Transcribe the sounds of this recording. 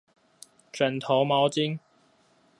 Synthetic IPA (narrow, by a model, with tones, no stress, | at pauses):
t͡ʃœ˨˩nt̪ʰo˨˥wmɔː˨˥wt͡si˥ŋ